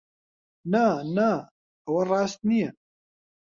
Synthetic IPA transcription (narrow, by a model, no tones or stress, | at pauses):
nænæ | əwɐrˤɑːst̪̚nijɛ